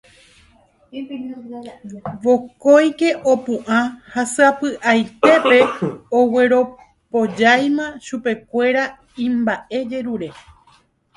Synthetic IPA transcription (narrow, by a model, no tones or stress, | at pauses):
ʋo̞ko̞jke̞ʔopũʔãhasɨapɨʔajt̪e̞pe̞owe̞ɾo̞ | po̞d͡ʒajmãʃupe̞kʷe̞ɾa | ĩmbaʔe̞d͡ʒe̞ɾuɾe̞